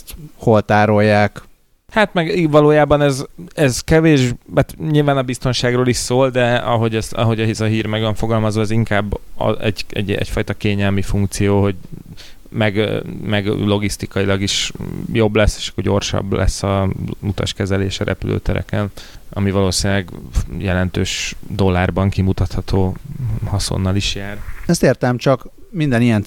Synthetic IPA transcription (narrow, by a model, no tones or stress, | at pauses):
t̪holt̪aːɾo̞jːaːk | haːt̪mɛɡivɒloːjaːbɒnɛzɛzkɛveːʃat̪ɲilvaːnɒbist̪o̞nʃaːɡroːliʃsoːld̪ɛɒ̰ɦo̞ɟɛst̪ɒ̰ɦo̞ɟɒɦizɒɦiːɾmɛɡvɒɱfo̞ɡɒlmɒzvɒɛziŋkaːb̰ːɛɟɛ̰ɟɛ̰cfɒjt̪ɒkeːɲɛlmifuŋkt̪sijoːɦo̞ɟ | mɛɡmɛɡlo̞ɡist̪ikɒjilɒɡiʃjo̞blɛsːe̥ʃɒ̥kːorɟo̞rʃɒ̰bːlɛ̰sːɒut̪ɒ̰ʃkɛzɛleːʃɒɾʔɛ̰pylʔø̰ːt̪ɛɾɛ̰kɛnɒ̰mivɒloːsinilɛɡjɛlɛnt̪øːʃd̪o̞lːaːrbɒŋkimut̪ɒt̪hɒt̪ʰoːhɒso̰nːɒliʃjaːrɛst̪eːrt̪ɛmt͡ʃɒkmind̪ɛnijɛn